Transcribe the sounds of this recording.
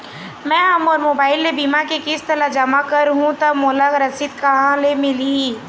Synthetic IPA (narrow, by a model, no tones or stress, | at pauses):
mɛ̃ɦɐmɔːɾmoːbaːɪlːebimakekɪst̪əlad͡ʒɐmakɐɾɦũt̪ɐbmolaɡɾɐsit̪kɐɦãlemɪlii